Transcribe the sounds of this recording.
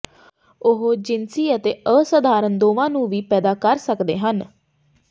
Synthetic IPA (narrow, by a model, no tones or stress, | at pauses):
ʊɦod͡ʒɪnsiːət̪eːəsəd̪ʱaːɾənd̪oːʋãːnũːʋiːpɛːd̪aːkəɾsəkd̪ḛːɦən